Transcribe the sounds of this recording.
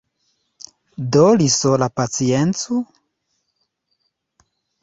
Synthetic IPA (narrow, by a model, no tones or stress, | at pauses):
dolisolapat͡sient͡so